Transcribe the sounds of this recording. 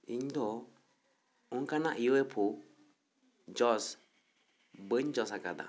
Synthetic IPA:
iɲd̪ɔ | uŋkanaʔiwepʰu | d͡ʒɔs | bəɲd͡ʒɔsaka̰d̪a̰

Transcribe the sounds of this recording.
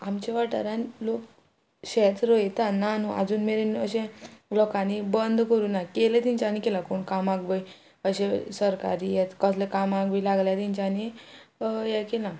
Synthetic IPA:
amt͡ɕeʋaʈaɾãnlok | ɕɛt͡s̪ɾojt̪anːanuʔa̰d͡zuːnmeɾenəɕẽlɔkanibənd̪kəɾuːnakelet̪ĩɲt͡ɕaanikelakoːɳkamaɡʋəj | əɕẽsəɾka̰ɾijɛt̪kəslekamaɡʋilaɡljat̪iɲt͡ɕaːni | jɛkelã

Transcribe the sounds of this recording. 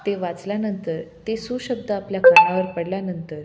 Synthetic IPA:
t̪eʋat͡sljanənt̪əɾt̪esuɕəb̚d̪ʱəapljakəɭɡaʋəɾpəɽljanənt̪əɾ

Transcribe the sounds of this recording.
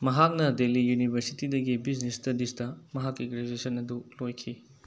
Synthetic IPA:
mɐɦak̚nɐdelijunibʱɐɾsitidɐɡibid͡ʒnestɐdistɐmɐɦakːikɾed͡ʒesɐnɐdulojkʰi

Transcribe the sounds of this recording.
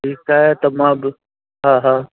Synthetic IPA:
ʈiːkaːɦet̪ɐmãb | ɦãːɦãː

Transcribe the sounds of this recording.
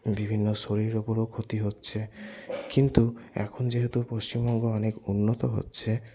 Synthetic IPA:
bibʱinːɔsoɾiɾopɔɾokʰot̪iɦotːt͡ʃʰekint̪uɛ̰kʰonɔd͡ʒeɦet̪upost͡ɕimbɔŋɡɔɔnekunːɔt̪ɔɦo̰tːt͡ʃʰe

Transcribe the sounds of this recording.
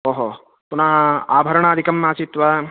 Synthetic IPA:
oːɦo | punɐɦɐa̰ːbʱɐɾɐɳaːd̪ʱikɐmːaːt͡ʃit̪ʋɐ

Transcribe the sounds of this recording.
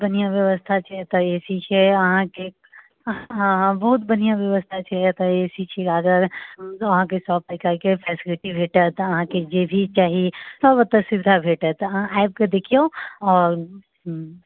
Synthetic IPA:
bɐnijãʋjəʋəst̪ʰat͡ʃʰɛt̪ɐeːsit͡ʃʰeɐɦãke | ɦãɦãbɐɦʊt̪bɐnijãʋjəʋəst̪ʰat͡ʃʰɛt̪əeːsit͡ʃʰeɡaːd̪əɾʋɐɦãkesɔːp̚əkəɾkepʰɛːsɪlɪʈibʱeːʈət̪ɐɦãked͡ʒeːbʱit͡ʃaːɦisɔːbət̪ːəsɪʋɪd̪ʱabʱeːʈət̪ɐɦãʔɛːɪp̚ked̪ekʰijoɔːɾ

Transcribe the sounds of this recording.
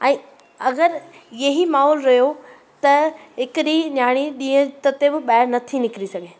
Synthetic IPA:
ɛ̃ː | ɐɡəɾjɐɦimaːɦɔːlɾɐɦjo | t̪ɐɦɪkɪɗinjaːɽ̃iɗĩːə̃t̪ɐt̪ebɪɓaːɪɾnɐt̪ʰinɪkɾisɐɡʱeː

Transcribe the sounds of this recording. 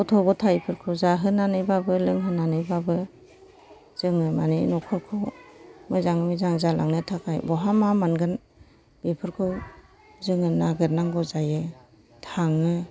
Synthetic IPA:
ɔtʰɔɡɔtʰajpʰɯɾkʰɯwzaɦɯnanɯjbabɯlɯŋɦɯnanɯjbabɯ | z̥ɯŋɯmaninɔkʰɔɾkʰɯwmɯzaŋmizaŋzalaŋnɯtʰakʰajbɔɦamamanɡɯn | b̥ipʰɯɾkʰɯw | zɯŋɯnaɡɯɾnaŋɡɔzajɯ | tʰaŋɯ

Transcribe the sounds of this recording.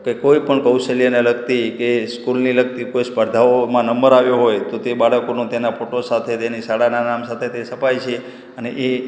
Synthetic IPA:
kekojpəɳkəwselijəneləɡt̪ikeskulniləɡ̚t̪ikojspəɾd̪ʱaomãnəməɾaʋjoɦojt̪ot̪ebaɽəkonõt̪enapʰoʈosat̪ʰet̪enisaɽananamsat̪ʰet̪esəpajt͡ʃʰe | əneʔe

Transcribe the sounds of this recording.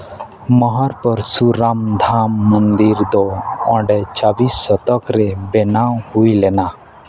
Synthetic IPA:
mɔɦɔɾpɔɾsuɾamd̪ʱamːənd̪iɾd̪ɔɔ̃ɖɛt͡ʃabisːɔt̪ɔkɾɛbɛnawhujlɛna

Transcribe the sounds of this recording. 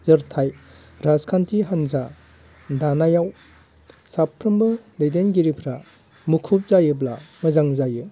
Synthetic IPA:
zɯɾtʰaj | ɾazkʰantʰiɦanza | danajaw | sapʰːɾɯmbɯdejdenɡiɾipʰɾa | mukʰup̚zajɯblamɯzaŋzajɯ

